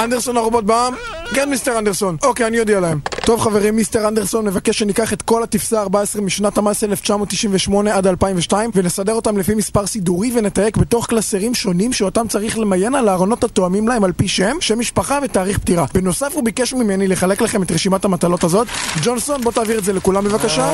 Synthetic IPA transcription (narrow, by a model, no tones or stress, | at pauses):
and̪eʁso̞naʁobo̞t̚baamkenmist̪eʁandeʁso̞no̞keanijod̪ialaemto̞vχave̞ʁimːist̪e̞ʁande̞ʁso̞nːevakeʃenikaχet̪ko̞lat̪ifsaːʁbaesʁemiʃnatamaeseeleft͡ʃamo̞t̪ːiʃimɱveʃmo̞neadalpaimveʃtaimvenesade̞ʁo̞t̪amlefimispaʁsiduʁivene̞t̪aje̞kbe̞to̞χklaseʁimʃo̞nimʃeotamt͡saʁiχle̞maje̞nalaːʁono̞thato̞amimlae̞malpiʃemʃemːiʃpaχave̞taːʁiχptiʁabeno̞safhubikeʃmime̞nile̞χale̞klaχe̞metʁeʃimathamat̪alo̞tazo̞t̪d͡ʒo̞nso̞nbo̞taːviʁetdzelekulambevakaʃa